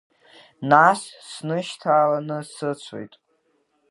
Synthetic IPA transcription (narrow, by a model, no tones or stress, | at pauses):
nassnɨʃtʰaːlanɨsɨt͡sʷʰo̰jtʼ